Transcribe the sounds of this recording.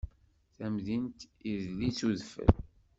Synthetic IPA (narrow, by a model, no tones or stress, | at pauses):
θæmðint̪izlit͡suðfə̰l